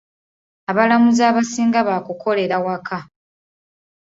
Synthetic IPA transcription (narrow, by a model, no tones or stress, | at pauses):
aβalamuzaːβasiːŋɡaβakukʰo̞le̞ɾawakʰa